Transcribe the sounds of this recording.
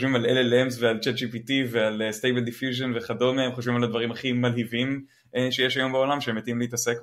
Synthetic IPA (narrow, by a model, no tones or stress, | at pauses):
oʃvimalelelemsvealt͡ʃet̚d͡ʒipitivealest̪ejbeld̪ifjuʒenveχado̞meemχoʃvimalad̪vaʁimaχimalhivim | ʃejeʃajo̞mbeo̞lamʃeemjet̪imlehit̪ase̞k